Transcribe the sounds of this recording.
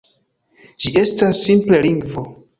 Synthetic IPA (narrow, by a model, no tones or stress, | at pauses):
d͡ʒie̞stasːimple̞liŋɡvo̞